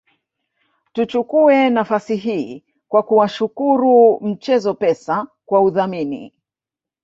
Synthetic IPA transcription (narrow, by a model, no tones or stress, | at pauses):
tut͡ʃukuɛnafasiɦiː | kwakuwaʃukuɾum̩t͡ʃɛzɔpɛsakwauðaminḭ